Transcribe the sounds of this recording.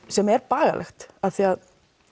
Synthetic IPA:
sɛmɛɾpaːɣa̰lʔɛ̰xt̪aθiað

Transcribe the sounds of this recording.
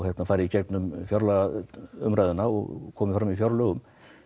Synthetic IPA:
ɣhɛt̪nafaːjɾɪicɛkt̪nʏmfjɔɾlaʏ̰mɾaðʏnaɔ̰ɣkʰɔːmɪfɾamifjɔɾlœːɣʏm

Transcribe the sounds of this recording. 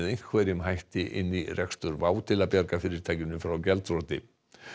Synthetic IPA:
ðejŋ̥kʰvɛːɾɪmɦajht̪ɪʔɪ̰nːirɛkst̪ʏɾvaːwt̪ɪlapjaɾkafɪɾɪɾ̥t̪ʰaːjcɪmnʏfɾawcɛlt̪rɔːt̪ɪ̰

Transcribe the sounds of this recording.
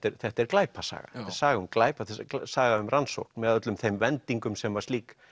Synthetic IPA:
t̪ɛɾθɛht̪ɛɾklaːjpʰasa̰ːɣa̰̥saːɣʏmklaːjpaθɛsaːɣaʏmrʔanso̰whknmɛðaœt̪lʏmθejmvɛnt̪iŋkʏmsɛmvaɾst̪iːk

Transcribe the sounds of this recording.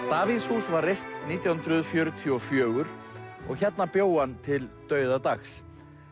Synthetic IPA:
t̪aːviðshuːsvarːejst̪niːt̪jawhʏnt̪ɾʏðfjœːɾʏt̪ʰiɔfjœːɣʏɾ̥ɔ̰ɣçɛt̪napjoːwant̪ʰɪlt̪œːɥðat̪axs

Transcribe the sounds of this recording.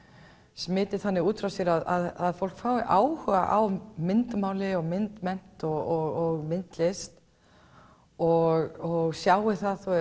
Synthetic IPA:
smɪːt̪ɪθanːɪuːt̪ɾawsjɛɾaðaðaðfowlkfaːwɪʔaːwhʏɣa̰ʔawmɪnt̪maːwlɪɔɣmɪnt̪mɛn̥t̪ɔɣɔɣɔɣmɪn̥t̪lɪst̪ | ɔɣɔɣsjaːwɪθaðθu

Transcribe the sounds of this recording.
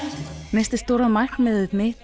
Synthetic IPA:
nɛst̪ɪst̪oːɾaðmaj̥knmɪðɪðmɪ

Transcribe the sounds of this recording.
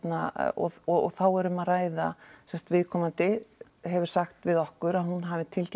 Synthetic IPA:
t̪naɔ̰ɔɔ̰θawɛɾʏmaðraːjðasɛnst̪vɪðkʰɔːmant̪ɪ | ɦɛvʏɾ̥saxt̪vɪðɔhkʏɾaðhunɦavɪt̪ʰɪlc

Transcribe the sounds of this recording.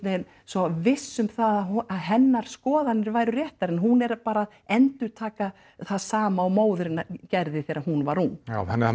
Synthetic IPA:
nejn | sɔvɪsːʏmθaðaaðɦɛnːaɾ̥skɔːðanːɪɾvaːjɾʏrjɛht̪aɾɛnɦunɛɾpaːɾað | ɛnt̪ʏɾt̪ʰaːka | θaðsaːmaːwmoːwðʏɾɪnːacɛɾðɪθɛːɾahunvaɾ̥huna̰ɛnːɪ

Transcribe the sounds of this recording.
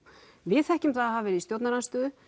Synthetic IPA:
vɪθɛhcʏmθaðhavɛɾɪist̪jowt̪naɾanst̪œːðʏ

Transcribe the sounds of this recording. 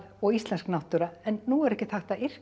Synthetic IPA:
ɔɣist̪lɛnsknaht̪ʏɾaɛnːuɛɾɛhcɪθaht̪aɪr̥k

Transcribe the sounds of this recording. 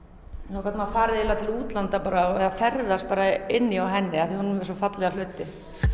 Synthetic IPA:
θawkʰvɛt̪mafaːɾɪðɛlat̪ʰɪluːt̪lant̪apaːɾaɛðafɛɾðast̪̚paːɾaɪnːɪawɦɛnːɪaθihunʏmvɛsɔfat̪lɛɣal̥ʏːt̪ɪ

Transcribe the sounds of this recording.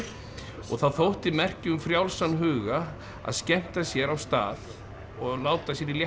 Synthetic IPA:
ɔ̰ɣθawθowht̪imɛr̥cʏʏmfɾjawlsanːɦʏːɣa | a̰ðscɛm̥t̪asjɛɾawst̪a̰ːð | ɔɣlaːwt̪asjɛɾiljɛ

